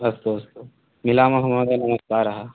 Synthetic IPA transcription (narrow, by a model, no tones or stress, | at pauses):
ɐst̪uɐst̪u | milaːmɐɦɐmaːd̪enɐmɐskaːɾɐɦɐ̆